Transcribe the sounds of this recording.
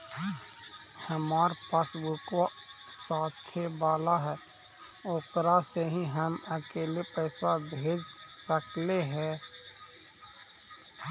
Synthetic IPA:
həmaːɾpaːsbukasaːt̪ʰebaːlaɦɛ | oːkɾaseɦĩɦəməkeːlepɛːswabʱeːd͡ʒsəkleɦɛ̃ː

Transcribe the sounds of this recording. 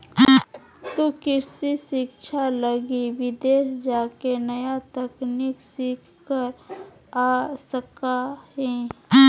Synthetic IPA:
t̪okɪɾsisɪkʃʰaləɡiʋɪd̪eːsd͡ʒaːkenəjat̪ɛkniksikʰkəɾ | aːsəkaɦẽ

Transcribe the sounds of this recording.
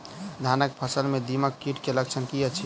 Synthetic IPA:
d̪ʱanək̚pʰəsəlmed̪iməkːiʈkelək̚t͡ʃʰənkijət͡ʃʰi

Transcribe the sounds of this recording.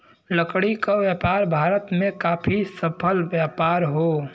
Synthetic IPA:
ləkɽikaʋjaːpaːɾbʱaːɾət̪mẽkaːpʰisəpʰəlʋjaːpaːɾɦoː

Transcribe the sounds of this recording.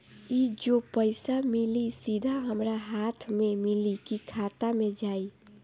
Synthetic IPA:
id͡ʒopəɪsamɪlisid̪ʱaɦəmɾaɦaːt̪ʰmẽmɪlikikʰaːt̪amẽd͡ʒaːi

